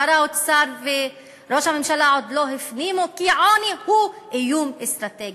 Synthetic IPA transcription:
aɾaut̪saɾvɪ | ɾoːʃamɪmʃalaʕod̪loɦɪfniːmokiʕaːnihuːʔɪjuːmɪst̪ɾat̪eːɡ

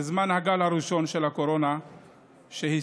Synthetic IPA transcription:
zmanhaɡalhaɾiʃo̞nʃe̞lhako̞ɾo̞na | ʃehi

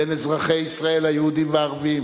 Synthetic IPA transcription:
enezʁaχejisʁae̞lhajehud̪imveaʁvim

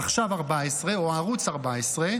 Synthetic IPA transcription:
aχʃavaʁbaesʁeoaʁut͡saʁbaesʁe

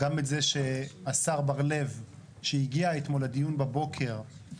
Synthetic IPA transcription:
ɡametzeʃeasaʁbaʁle̞v | ʃejiɡiaet̪mo̞lad̪ijunbabo̞kʰe̞ʁ

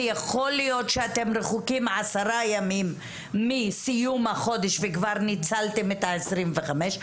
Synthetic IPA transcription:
jaχo̞lijo̞t̪ʃeat̪e̞mʁeχukimʕasaʁajamimː | isijumhaχo̞d̪eʃvekvaʁnit͡saltemet̪aesʁimveχameʃ

